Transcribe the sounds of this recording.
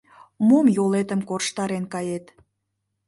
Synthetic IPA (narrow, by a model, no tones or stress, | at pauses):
momjolet̪ə̆mkorʃt̪ɑɾenkɑjet̪